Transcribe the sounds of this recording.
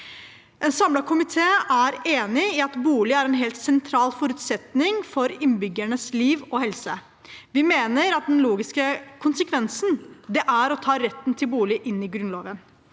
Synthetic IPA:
ʔɛnsɑmlɑkʰʊmɪt̪ʰeːʔæɾeːnɪɪɑt̪buːlɪæɾɛnɦeːlt̪sɛnt̪ʰɾɑːlfɔɾʉːt̪sɛt̪nɪŋfɔɾɪnbʏɡːæɳəsliːʋɔhɛlsə | ʋɪmeːnəɾɑt̪̚d̪ɛnloːɡɪskəkʰʊnsəkʰʋɛnsnd̪ɛʔæɾɔt̪ʰɑːɾɛt̪ːn̩t̪ʰɪlbuːlɪʔɪnːɪɡɾʉnloːʋən

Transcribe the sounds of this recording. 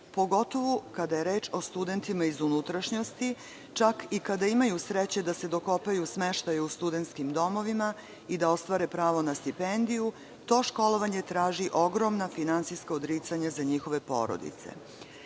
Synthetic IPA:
po̞ɡo̞t̪o̞ʋukad̪aje̞ɾe̞ːt͡ʃo̞st̪ud̪e̞nt̪imaizunut̪ɾaʃɲo̞st̪i | t͡ʃakikad̪aimajusɾet͡ɕe̞d̪ase̞d̪o̞ko̞pajusmeʃt̪ajeust̪ud̪ent̪skimd̪o̞mo̞ʋima | id̪ao̞st̪ʋaɾe̞pɾaːʋo̞nast̪ipend̪iju | t̪o̞ːʃko̞lo̞ʋaɲe̞t̪ɾaːʒiʔo̞ɡɾo̞mnafinant̪sijskaod̪ɾiːt̪saɲazaɲixo̞ʋe̞po̞̰ɾo̰d̪ḭt̪sḛ

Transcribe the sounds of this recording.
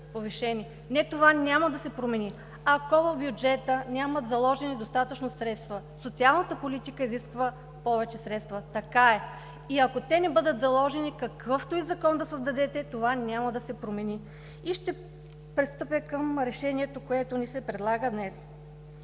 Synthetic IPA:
poviʃɛni | nɛt̪ovanʲaməd̪ɐsɛpɾomɛni | ɐkɔvəvbjud͡ʒɛt̪ənʲamət̪zɐlˠɔʒɛnid̪ost̪at̪ət͡ʃnosɾɛt̪st̪və | sot̪sialˠnət̪əpolit̪ikəiziskvə | pɔvɛt͡ʃɛsɾɛt̪st̪vət̪ɐkaɛ | iɐkot̪ɛnɛbɤd̪ət̪zɐlˠɔʒɛnikɐkɤft̪oizɐkɔnd̪ɐsəzd̪ɐd̪ɛt̪ɛt̪ovanʲaməd̪ɐsɛpɾomɛni | iʃt̪ɛ | pɾist̪ɤpɛkəmɾɛʃɛniɛt̪okoɛt̪onisɛpɾɛd̪lˠaɡəd̪nɛs

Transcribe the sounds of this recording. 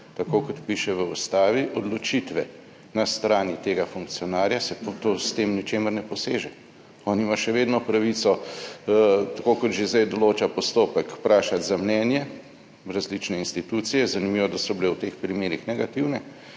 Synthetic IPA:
t̪akoːkɔt̪piʃɛʋəust̪aːʋiʔɔd̪lɔt͡ʃit̪ʋɛ | nast̪ɾaːnit̪eːɡafuŋk̚t̪sijɔnaːɾjasɛpt̪ost̪eːmnit͡ʃeːməɾnɛpɔseːʒɛ | ɔːniimaʃɛʋeːd̪nɔpɾaʋit̪sɔ | t̪akoːkɔt̪ʒezd̪ɛjd̪ɔloːt͡ʃapɔst̪oːpəkpɾaːʃat̪zamnɛːnjɛ | ɾazlit͡ʃnɛinst̪it̪ut̪sijɛzanimiʋɔd̪asɔbilɛwt̪eːxpɾimeːɾixnɛɡat̪iwnɛ

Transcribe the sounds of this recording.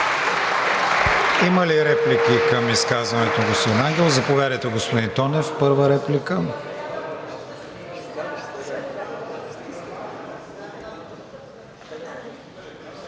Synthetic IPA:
iməliɾɛplikikɐmiskazvɐnɛt̪oɡospod̪inaŋɡʲɛlˠzɐpovjad̪əjt̪ɛɡospod̪int̪ɔnɛfpɤɾvəɾɛplikə

